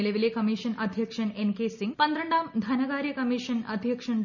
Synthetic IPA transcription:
ilɐʋileːkɐmiːʂɐnʔɐd̪ʱjɐkʂɐnenkeːsiŋɡ̚pɐnd̪ɾɐɳɖaːmd̪ʱɐnɐɡaːɾjɐkɐmiːʂɐnɐ̰d̪ʱjɐkʂɐɳ

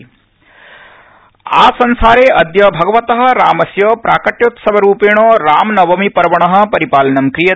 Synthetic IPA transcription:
aːsɐnsaːɾeːʔɐd̪jɐbʱɐɡɐʋɐt̪ɐɦɐ̆ɾaːmɐsjɐpɾaːkɐʈjot̪sɐbʱɐɾuːpeːɽ̃oːɾaːmnɐʋɐmipɐɾɐʋɐɳ̃ɐɦɐ̆pɐɾipaːlɐnɐmkɾijɐ

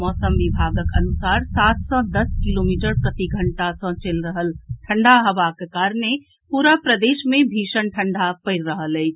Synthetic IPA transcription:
mɔːsəmʋibʱaɡəkə̰nusaːɾsaːt̪̚sɔ̃d̪əskilomiːʈəɾpɾət̪iɡʱəɳʈasə̃t͡ʃelɾəɦəlʈʰəɳɖaɦəʋakekaːɾəne | puɾapɾəd̪eːʃmẽbʱiːʃənʈʰə̃ɳɖapəɪɾːəɦəlɛɪt͡ʃʰ

